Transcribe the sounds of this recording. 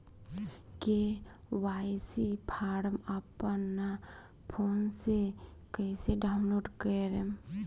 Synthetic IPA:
ke | waːjsipʰaːɾəmapənːa | pʰoːnsekəɪseɖaːʊnloːɖkəjɾem

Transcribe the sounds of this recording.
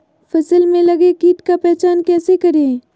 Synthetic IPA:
fʰɐsəlmẽlɐɡekiːʈkapɛɦt͡ʃaːnkɛːsekɐɾẽː

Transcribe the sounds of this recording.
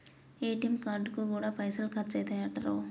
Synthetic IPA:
eːʈimkaːɾɖkukuːɽaːpɐjsɐlkʰɐtt͡ʃɛjt̪ɐjaːʈːɐɾoː

